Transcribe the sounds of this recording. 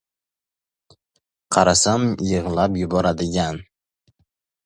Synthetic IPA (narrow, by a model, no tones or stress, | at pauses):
qʰɑɾasamjɨʁlapjʊbɒɾad̪ɪɡʲan